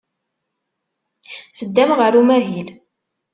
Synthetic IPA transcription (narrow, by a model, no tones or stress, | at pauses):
θəd̪ːæmʁəɾumæɦil